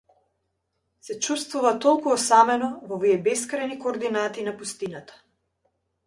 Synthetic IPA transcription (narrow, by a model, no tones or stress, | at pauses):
sɛt͡ʃust̪vuvat̪ɔlˠkuɔsamɛnɔvɔviɛbɛskɾajnikɔːɾd̪inat̪iːnapust̪inat̪ḁ